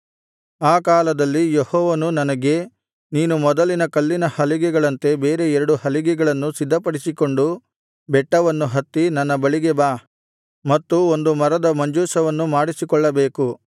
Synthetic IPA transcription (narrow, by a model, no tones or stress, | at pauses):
aːkaːlɐd̪ɐlːijehɔːʋɐnunɐnɐɡe̞ | niːnumɔd̪ɐlinɐkɐlːinɐhɐliɡɛɡɐɭɐnt̪e̞be̞ːɾe̞ɛɾɐɽuhɐliɡɛɡɐɭɐnːusid̪ʱːɐpɐɽisiko̞ɳɖu | bɛʈːɐʋɐnːuɦɐt̪ːinɐnːɐbɐɭiɡɛbaː | mɐt̪ːuo̞nd̪umɐɾɐd̪ɐmɐɲd͡ʒuːsɐʋɐnːumaːɽisikɔɭːɐbe̞ːku